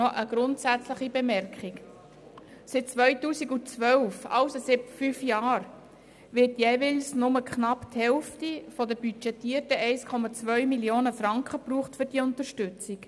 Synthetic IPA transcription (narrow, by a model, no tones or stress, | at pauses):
ɔʔəɡ̥ɾʊntsæt͡sləχibemɛɾkχɪk | sɪt̚t͡sʋœɥtuːsiɡut͡sʋœwfɑ̰wsosɪtfyfjɑːɾ | ʋɪrtjeːvɪlsnʊməkχnɑpthɛlftifɔdəbyt͡ʃɛtiːərtəʔɛɪskʰɔmɑt͡sʋœɥmilioːnəfɾɑŋkχəpɾuːχtfʏɾd̥iːʊnt̪əɾʃtʏt͡sik